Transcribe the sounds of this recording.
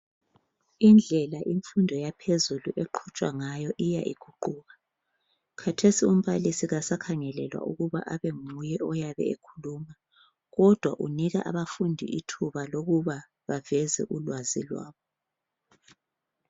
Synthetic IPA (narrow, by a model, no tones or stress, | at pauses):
ind͡ɮʱɛlaʔiɱfundʱɔjapʰezuluʔeǃʰut͡ʃʼwa̰ŋajɔʔija̰ʔḭɡ̥ʰʱuǃuːɣa | kʰatʰesium̩βalisiɣasakʰaŋɛlɛlwa̰ʔuɣuβa̰ʔaβeŋujɛɔjaβɛ̰ekʰuluːma | ɣɔd̥ʱwa̰ʔuniɣaʔaβafundʱḭʔitʰuβaloɣuβa | βavɛzɛ̰ʔulwazḭlwa̰ːβɔ